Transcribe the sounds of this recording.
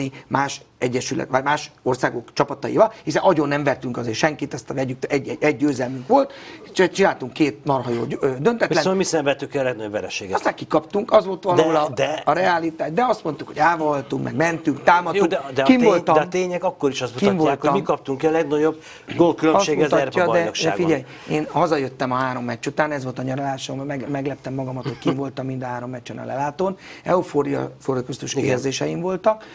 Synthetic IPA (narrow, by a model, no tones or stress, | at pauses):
imaːʃɛɟːɛʃylɛ̰t̪ʋamaːʃo̞rsaːɡo̞kt͡ʃɒpɒt̪ɒjḭvɒlhisɛnʔɒɟonːɛɱvɛrt̪yŋkɒzeːrʃɛŋkit̪ɛst̪vɛɟyk̪ɛɟɛɛɟ̚ːøːzɛlmyŋkʋo̞lt̪t͡ʃɛt͡ʃinaːlt̪uŋkːeːt̪̚nɒrɦɒjo̰ːød̪ønt̪ɛt̪ilɛmisɛɱvɛt̪ːykiɒlɛɡnɒɟo̞bvɛɾɛʃeːɡɔst̪aːkikɒpt̪uŋkɒzʋo̞lt̪ʋɒloːlɒd̪ɛːɾɛaːlit̪aːʒd̪ɛɒst̪mo̞nt̪ukhoɟaːvolt̪uŋkmɛɡmɛnt̪yŋkt̪aːmɒjoud̪ɛd̪ɛkimolt̪ɒɛt̪eːɲɛkɒkːoɾiʃɔst̪mukiɔmvoːalktomikɒp̚t̪uŋkiɒlɛɡnɒɟob | ɡolkyløɒseːɡmɛut̪ːɒd̪ɛnokʃd̪ɛːɡfiɟɛj | eːnhɒzɒjøt̪ːɛmɒɦaːɾo̞mːɛt͡ʃːut̪aːnɛzʋo̞lt̪ɒɲɒɾolaːʃommɛɡmɛɡlɛp̚t̪ɛmːɒɡɒmɒt̪ho̞ckiɱvo̞lt̪ɒmːind̪ɒɦaːɾo̞mːɛct͡ʃːɛnɒ̰lɛ̰laːt̪oːnɛufoːɾijɒ̰foɾokɾust̪uʃkierzeːʃɛjimvo̞lt̪ɒk